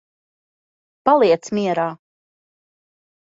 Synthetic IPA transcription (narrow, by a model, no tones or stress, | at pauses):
palˠiɛt̪smiɛɾaː